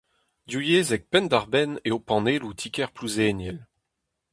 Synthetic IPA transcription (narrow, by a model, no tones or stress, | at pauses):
d̪jujeːzɛk̚pɛnd̪aʁbɛneopɑ̃neːlut̪ʰikɛʁpluzeːnjɛl